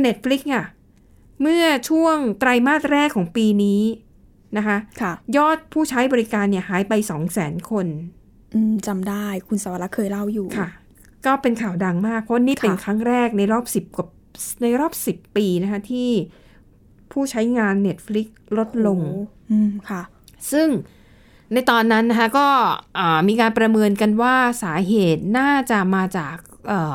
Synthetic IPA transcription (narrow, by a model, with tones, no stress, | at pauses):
ne˦˥t̪̚fli˦˥k̚ka˧˩ | mɯ˥˩ɐət͡ɕʰu˥˩əŋt̪ɾa˧jmaː˥˩t̪̚ɾɛː˥˩kʰːɔː˩˦ŋpiː˧niː˦˥ | na˦˥kʰa˦˥kʰjɔː˥˩t̪̚pʰuː˥˩t͡ɕʰa˦˥jbɔː˧ɾi˦˥kaː˧nːi˥˩ɐhaː˩˦jpa˧jsɔː˩˦ŋsɛː˩˦nkʰo˧n | ʔɯː˧˩mt͡ɕa˧mdaː˥˩jkʰu˧nsaː˨˩˦wa˧˩la˦˥kʰɤː˧jla˥˩wjuː˨˩kʰa˥˩ | kɔː˥˩pe˧nkʰaː˨˩wda˧ŋmaː˥˩k̚pʰɔ˦˥wniː˥˩pe˧nkʰɾa˦˥ŋɾɛː˥˩k̚na˧jɾɔː˥˩p̚si˨˩p̚ka˨˩ | na˧jɾɔː˥˩p̚si˨˩pːiː˧na˦˥kʰa˦˥t̪ʰiː˥˩ | pʰuː˥˩t͡ɕʰa˦˥jŋaː˧nːe˦˥t̪̚fli˦˥k̚lo˦˥t̪̚lo˧ŋ | ʔɯː˧˩mkʰa˥˩ | sɯ˥˩ŋ | na˧jt̪ɔː˧nːa˦˥nːa˦˥kʰa˦˥kɔː˥˩ʔəː˨˩miː˧kaː˧npɾa˧mɤː˧nka˧nwaː˥˩saː˩˦ɦeː˨˩t̪̚naː˥˩t͡ɕa˨˩maː˧t͡ɕaː˨˩k̚ʔɤː˨˩